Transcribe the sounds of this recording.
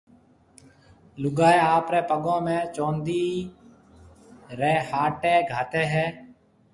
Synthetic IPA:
lʊɡaːeːaːpɾeːpəɠõːmẽːt͡ʃoːnd̪iː | ɾeːhaːʈeːɡʱaːt̪eːɦɛː

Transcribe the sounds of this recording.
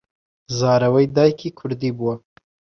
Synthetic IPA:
zɑɾawəjd̪ɑjkʰikʰʊɾd̪ibuwa

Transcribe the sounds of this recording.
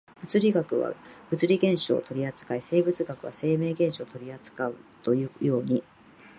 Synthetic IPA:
b̥ɯ̟t͡sɨɾʲiɡakɯ̟βa̰b̥ɯ̟t͡sɨɾʲiɡẽ̞ɰ̃ɕo̞̰ːt̪o̞ɾʲiat͡sɨ̥kaise̞ːbɯ̟t͡sɨɡakɯ̟βa̰se̞ːme̞ːɡẽ̞ɰ̃ɕo̞ːt̪o̞ɾʲiat͡sɨ̥kaɯ̟t̪o̞jɯjo̞ːɲ̟i

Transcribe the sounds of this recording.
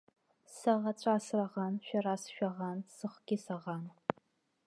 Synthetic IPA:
sɐʁɐt͡ʃʷʼaːsrɐʁɑnʃʷᶣɐraːsɨ̥ʃᶣʷɐʁɑnsɨχʷɡ̥ʲisɐʁɑːn

